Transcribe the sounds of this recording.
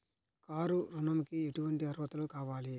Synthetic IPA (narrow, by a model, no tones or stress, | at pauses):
kaːɾuɾunɐmikieʈuʋɐɳʈiɐɾʋɐt̪ɐlukaːʋaːli